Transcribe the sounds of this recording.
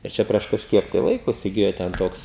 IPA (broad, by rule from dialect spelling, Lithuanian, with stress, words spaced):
ɪr ˈt͡ʃʲɛ pʲrʲiɛʃ kɐʃʲˈkʲiɛk tɐɪ ˈlˠɐɪkoː ɪsʲɪˈɡʲɪjoː tʲɛn ˈtoːks